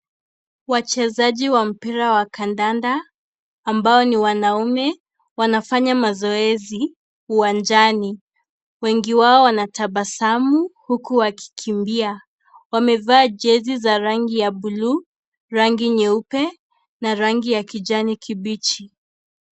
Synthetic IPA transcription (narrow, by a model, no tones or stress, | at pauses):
wat͡ʃɛzaʄiwam̩piɾawakandandaː | mbaɔniwanaumɛ | wanafaɲamazɔɛzi | uwand͡ʒani | wɛŋɡiwaɔwanatabasamuhukuwakʰi̥kʰimbia | wamɛvaːd͡ʒɛzizaɾaŋɡijaɓulu | ɾaŋɡiɲɛupɛ | naɾaŋɡijakid͡ʒanikʰiɓit͡ʃi